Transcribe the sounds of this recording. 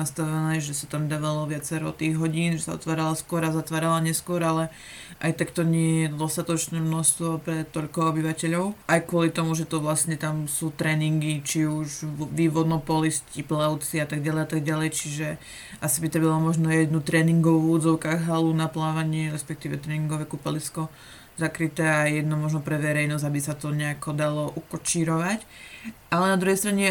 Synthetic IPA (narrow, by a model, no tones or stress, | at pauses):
ast̪aʋɛnɛːʒɛsat̪amd̪aːʋalɔʋɪat͡sɛɾɔt̪iːɣɦɔɟiːnʒɛsaɔ̰t̪ʋaːɾalaskʊɔɾazat̪ʋaːɾalaɲɛskʊɔɾalɛ | ʔajt̪akt̪ɔɲɪɛjjɛd̪ɔst̪at̪ɔt͡ʃnɛːmnɔʃst̪ʋɔpɾɛt̪ɔʎkɔɔbiʋacɛʎɔʊʔajkʊɔlit̪ɔmuʒɛt̪ɔʋlasɲɛt̪amsuːt̪ɾɛːniŋɡit͡ʃiuʒʋiːʋɔd̪nɔpɔlisciplaʊt͡siat̪aɡɟalɛjat̪aɡɟalɛjt͡ʃiʒɛ | ʔasibit̪ɾɛbalɔmɔʒnɔjɛd̪nut̪ɾɛːniŋɡɔʋuːuːd͡zɔʊkaɣɦalunaplaːʋaɲɪɛɾɛspɛk̚t̪iːʋɛt̪ɾɛːniŋɡɔʋɛkupɛliskɔ | zakɾit̪ɛːajɛd̪nɔmɔʒnɔpɾɛʋɛɾɛjnɔzabisat̪ɔɲɛakɔd̪alɔʔukɔt͡ʃiːɾɔʋacʔalɛnad̪ɾuɦɛjst̪ɾaɲɛ